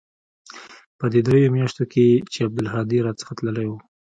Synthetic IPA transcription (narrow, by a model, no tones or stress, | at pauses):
pəd̪ed̪ɾejomjɑʃt̪okʰet͡ʃeab̚d̪ɪlɦɑd̪iɾɑt͡sə̥xat̪ləlajwu